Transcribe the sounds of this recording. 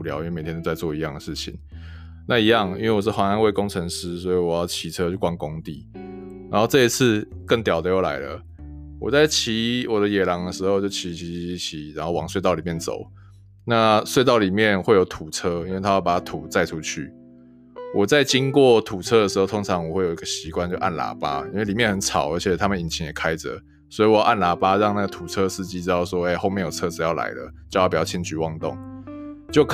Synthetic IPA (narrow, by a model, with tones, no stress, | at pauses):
ljɑ˨˦i˥we˥˩me˨˩t̪ʰɛ˥t̪o˧˥t͡sa˥˧ɪt͡swɔ˥˩i˧˦jɑ˥˩ŋd̪ə˩ʂɻ̩˥˩t͡ɕʰḭ˨˦ŋ | na˥˨i˧˥jɑ˥˨ŋi˥nwe˥˩wɔ˨˩t͡ɕo˥˩xa˧˥na˧˥nwe˥˩ɪko˥ŋt͡sʰə˧˦ŋʂ̩˦˥swɔ˧˥i˨wɔ˨˩jɑ˥˩ʊt͡ɕʰi˧˨t͡sʰɤ˥˦o˥˩kwa˥nkʊ˦˥ŋt̪ḭ˥˩ | ɻa˨˥nxo˥˧ʊʈ͡ʂɤ˥˧i˧˦t͡s̩ʰ˥˧kə˥˩ŋt̪jɑ˨˩ʊd̪ə˦jo˥˩ʊla̰˨˧˥ɪlə̰˧ | wɔ̰˨˩t͡sa˥˩ɪt͡ɕʰi˧˥˦wɔ˨˩d̪ə˦jɛ˨˩lɑ˨˩ŋd̪ə˧ʂɻ̩˧xo˥˧ʊt͡ɕjo˥˧ʊt͡ɕʰi˧˥t͡ɕʰi˧˥i˧˥t͡ɕʰi˨˦ɻa˨˦nxo˥˩ʊwɑ˨ŋswe˥˧t̪ɑ˥˩ʊli˨˩mjɛ˥˨˩nt͡so̰˨˩˦ʊ | na˥˧swe˥˧ɪt̪̬ɑ˥˩ʊli˨˩mjɛ˥˨nxwe˥˩jo˧˥ʊt̪ʰu˨˩t͡sʰɤ˦˥i˥nwe˥˩ɪtʰa˥jpa˨˩a˥t̪ʰu˨˩t͡sa˥˩ɪʈ͡ʂʰu˦t͡ɕʰy̰˥˩ | wɔ˨˩t͡sa˥˩ɪt͡ɕi˦˥ŋkwɔ˥˩t̪ʰu˨˩t͡sʰɤ˥də˩ʂɻ̩˧˥xo˥˩ʊt̪ʰo˥ŋt͡sʰɑ˧˦ŋwɔ˨˩xwe˥˩ɪo˨˩ʊi˧˥ɡə˨ɕi˧˥kwa˥˧nt͡ɕjo˥˧ʊʔa̰˥˩nla̰˧˥pa̰˥i˥nwe˥˩li˨˩mjɛ˥˨nxə˨˩˦nt͡sʰɑ˨˩ʊʔə˧˥t͡ɕʰjɛ˨˩t̪ʰa˥mə˨ni˨˩nt͡ɕʰi˧˥ŋjɛ˨˩kʰa˦ɪt͡sə̰˨˦ | swɔ˧˥i˨wjʔa˥˩nla˧˥pa˦˥ɻɑ˥˧ŋna˥˩ɡə˩t̪ʰu˨˩t͡sʰɤ˦ʂ̩˥˧t͡ɕi˥ɻ̩˥ɑ˥˩ʊswɔ˥e˥˩ɪxo˥˧ʊmjɛ˥˩njo˨˩t͡sʰɤ˦˥˨jɑ˥˩ʊla̰˧˥ɪlə̰˧t͡ɕjo˥˧jɑ˥˩pjɑ˥˩t͡ɕʰi˧˥nt͡ɕy˨˧˦wɑ˥˧ŋt̪ʊ̰˥˩ŋt͡ɕjo˥˧ʊk